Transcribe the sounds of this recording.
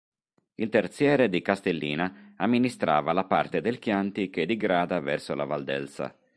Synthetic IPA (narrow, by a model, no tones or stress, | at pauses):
ilt̪ert̪sjɛːɾed̪ikast̪elːḭːnaamːinist̪ɾa̰ːvalapart̪ed̪elkjant̪iked̪iɡɾaːd̪avɛrsola̰vald̪ɛ̰lsa̰